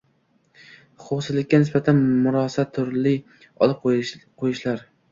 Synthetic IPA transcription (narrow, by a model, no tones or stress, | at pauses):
χowsɪlːɪkʲːanɪsbat̪ʰanmʊɾɒsat̪ʰːʊɾlɪ | ɒ̰lˠɪp̚qʰojɪʃlaɾ